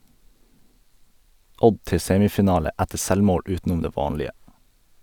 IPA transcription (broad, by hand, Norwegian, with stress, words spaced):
ˈʔɔɟ ˈtɛ ˈseːmɪfɪˌnɑːlə ˈætəɾ ˈsɛlˌmoːɽ ˈʔʉːtnʊm ˈdeː ˈʋɑːnlɪə